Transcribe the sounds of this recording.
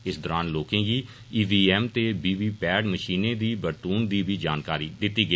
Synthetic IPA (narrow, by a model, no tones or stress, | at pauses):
ɪsd̪ɔːɾaːnloːkẽːɡiː | iːʋiːɛːmt̪eːbiːbiːpɛːɖməʃiːnẽːd̪iːbəɾt̪uːnd̪iːbʱiːd͡ʒaːnkaːɾiːd̪ɪt̪ːiːɡə